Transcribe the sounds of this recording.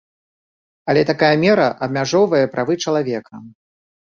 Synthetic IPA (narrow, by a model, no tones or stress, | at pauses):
ɐlʲɛt̪akajɐmʲɛɾɐʔɐb̚mʲaʐɔwvɐjɛpɾʔavɨt͡ʂɐlˠavʲɛkʰɐ